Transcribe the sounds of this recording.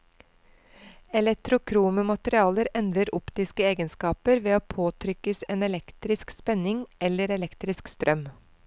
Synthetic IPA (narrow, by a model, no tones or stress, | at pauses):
ɛlɛkt̪ɾʊkʰɾuːməmɑt̪əɾɪɑːləɾɛnd̪ɾəɾʊpt̪ɪskəeːɡənskɑːpəɾʋeːoːpʰoːt̪ʰɾʏkəseːnɛlɛkt̪ɾɪskspɛnɪŋɛləɾɛlɛkt̪ɾɪskst̪ɾʔœm